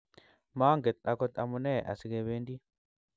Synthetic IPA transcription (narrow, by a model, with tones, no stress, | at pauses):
maː˦ŋɡɛ˨t̪̚a˨kɔ˦t̪a̰˨mu˨nɛ˦˨ʔa̰˨si˨kɛ˧βe˦ndi˦